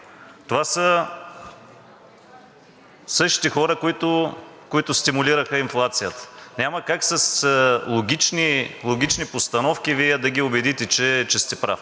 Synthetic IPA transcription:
t̪ovasə | sɤʃt̪ixɔɾəkoit̪ʊkoit̪ʊst̪imʊliɾəxəinflˠat̪sijət̪ə̥nʲaməkaksɐslˠoɡʲit͡ʃnilˠoɡʲit͡ʃnipost̪ɐnɔfkʲivijɛd̪ɐɡʲiʊbɛd̪it̪ɛt͡ʃɛt͡ʃɛst̪ɛpɾa̰f

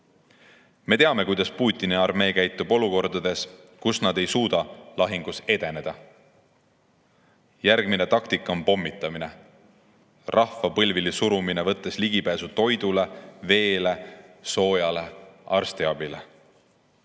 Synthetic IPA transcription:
me̞t̪e̞ɑme̞kujd̪̥ɑspuːt̪ːˑiniɑrme̞ːkæjt̪ːˑubo̞luko̞rd̪̥ɑd̪e̞s | kusnɑd̪e̞jsuːd̪̥ɑlɑɦiŋɡ̥use̞d̪̥e̞ne̞d̪̥ɑ | jærɡ̥mine̞t̪ɑkt̪ikˑːompo̞mːit̪ːˑɑmine̞ | rʔɑhfɑpɤlvilisuɾumine̞vɤt̪ˑːe̞sliɡ̥ipæːsut̪o̞jd̪̥ule̞ve̞ːle̞so̞ːjɑle̞ɑrst̪iɑbile̞

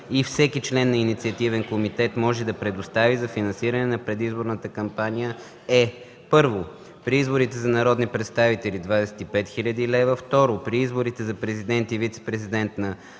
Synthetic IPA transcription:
ifsɛkit͡ʃlɛnːɐinit̪siət̪ivɛnkomit̪ɛt̪mɔʒɛd̪ɐpɾɛd̪ost̪avizɐfinɐnsiɾənɛnɐpɾɛd̪izboɾnət̪əkɐmpanijə | ɛ | pɤɾvo | pɾiizboɾit̪ɛzɐnɐɾɔd̪nipɾɛt̪st̪avit̪ɛlid̪vad̪ɛsɛ̥t̪ipɛt̪xilʲəd̪ilɛvəft̪ɔɾopɾiizboɾit̪ɛzɐpɾɛzid̪ɛnt̪ivit̪sɛ̥pɾɛzid̪ɛnt̪nɐ

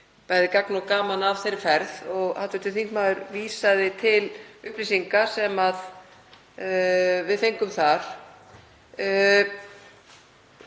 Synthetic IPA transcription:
paːjðɪkaknawkaːmanav̥θejɾɪ̥fɛɾðɔɣat̪ʏt̪ɪθiŋmaːðʏɾviːsaðɪt̪ʰɪlʏhplisiŋkasɛmað | vɪðθejŋkʏmθaɾ̥

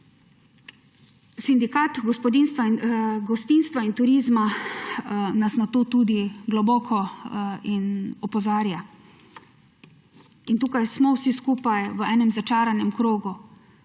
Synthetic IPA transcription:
sind̪ikaːt̪ɡɔspɔd̪inst̪ʋaɡɔst̪inst̪ʋaint̪uɾizma | nasnat̪oːt̪uːd̪iɡlɔbɔːkʰɔinɔpɔzaːɾja | int̪uːkajsmɔwsiskuːpajʋəɛːnɛmzat͡ʃaːɾanɛmkɾoːɡu

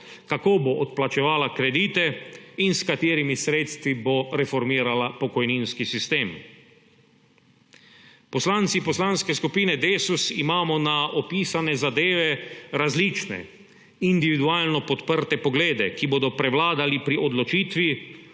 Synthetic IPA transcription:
kakoːboʔɔt̪plat͡ʃɛʋaːlakɾɛd̪iːt̪ɛinskat̪iːɾimisɾeːt̪st̪ʋiboɾɛfɔɾmiːɾalapɔkɔjniːnskisist̪eːm | pɔslaːnt̪siposlaːnskɛskupiːnɛd̪eːsusimaːmɔnaʔopiːsanɛzad̪eːʋɛɾazliːt͡ʃnɛ̰ | ind̪iʋid̪uaːlnɔpɔt̪pəɾt̪ɛpɔɡleːd̪ɛkiboːd̪ɔpɾɛʋlaːd̪alipɾiod̪lɔt͡ʃiːt̪ʋi

